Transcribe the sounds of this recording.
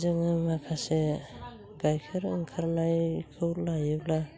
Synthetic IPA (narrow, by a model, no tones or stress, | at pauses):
zɯŋamakʰase | ɡajkʰeɾɯŋkʰaɾnajkʰɯwlajɯwla